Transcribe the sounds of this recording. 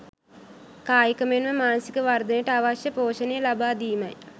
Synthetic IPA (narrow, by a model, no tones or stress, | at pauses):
kaːjikəmenʋəmaːnəsikəʋard̪ənjəʈəaʋaʃjəpoːʃənejəlabaːd̪iːmɐ̰j